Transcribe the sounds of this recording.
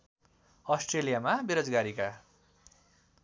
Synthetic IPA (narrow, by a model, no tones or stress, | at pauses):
ʌsʈrelijamabeɾod͡zɡaɾika